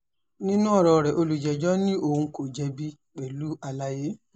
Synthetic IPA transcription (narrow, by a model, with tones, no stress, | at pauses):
nĩ˦nũ˦ɔ˦˨ɾɔ˧˨ɾɛ˨ʔo˧lu˨d͡ʒɛ˨d͡ʒɔ˦nĩ˦ʔo˦˨hũ˧ko˨d͡ʒɛ˧bi˧ | k͡pɛ˨lu˦a˧la˧je˦